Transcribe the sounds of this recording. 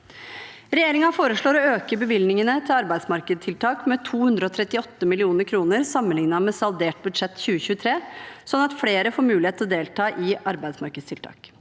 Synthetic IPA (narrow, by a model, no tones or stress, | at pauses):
ɾɛjeːɾɪŋɑfoːɾəʂɭoːɾɔøːkəbəʋɪlnɪŋənət̪ʰɪlɑɾbæɪsmɑɾkəd̪t̪ʰɪlt̪ʰɑːkmɛt̪ʰuːhʉnd̪ɾəɔt̪ʰɾɛt̪ːɪɔt̪ːəmɪlɪuːnəɾkʰɾuːnəɾsɑmːənlɪŋnɑmɛsɑld̪eːʈ̚bʉd̪ʂɛt̪ːçʉːəçʉːət̪ʰɾeːsɔnɑt̪fleːɾəfoːɾmʉːlɪheːt̪ʰːlɔd̪eːlt̪ʰɑːʔɪɑɾbæɪd̪smɑɾkəd̪st̪ʰɪlt̪ʰɑ̰ːk